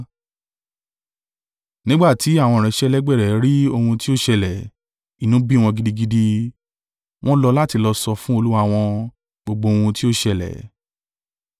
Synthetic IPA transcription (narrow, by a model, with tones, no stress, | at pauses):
nĩ˦ɡ͡ba˦˨ti˨˦a˦˨w̃ɔ̃˧˨ɾ̃ɛ̃˧˦ʃɛ˦lɛ˦ɡ͡bɛ˦˨ɾɛ˨ɾi˦o˧hũ˧ti˦o˦ʃɛ˧lɛ˨ | i˨nũ˨˦bi˦w̃ɔ̃˧ɡi˦˧di˧ɡi˦di˧ | w̃ɔ̃˦lɔ˧la˦ti˧lɔ˧sɔ˧fũ˦o˧lu˦wa˧w̃ɔ̃˧ | ɡ͡bo˧ɡ͡bo˧o˧hũ˧ti˦o˦ʃɛ˧lɛ̰˨